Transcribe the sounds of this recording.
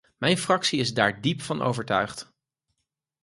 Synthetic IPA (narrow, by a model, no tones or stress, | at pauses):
mɛjnfrɑksiɪzdaːɹdipfɑnʔo̰wvəɹtœɥχt